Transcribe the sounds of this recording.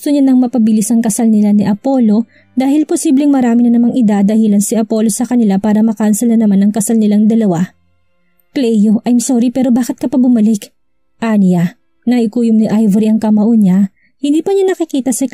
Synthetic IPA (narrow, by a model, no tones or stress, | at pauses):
ɡt̪ʊɲanɐŋmɐpɐbɪlisɐŋkɐsalnɪlanɪʔɐpo̞ːlo̞ | d̪aːhɪlposiːblɛŋmɐɾaːmɪnɐnɐmaŋɪd̪ad̪ɐhiːlɐnsiʔɐpo̞lo̞sɐkɐnɪlapaːɾɐmɐkansɛlnɐnɐmanɐŋkɐsalnɪlaŋd̪ɐlɐwa | klɛjoʔɐjmsoːɾipɛːɾo̞baːkɪt̪̚kɐpɐbʊmɐlɪk | ʔanijɐ | nɐʔɪkuːjʊmnɪʔajvɐɾiɐŋkɐmɐʔoɲa | hɪnd̪iːpɐɲanɐkɪkiːt̪ɐsɐ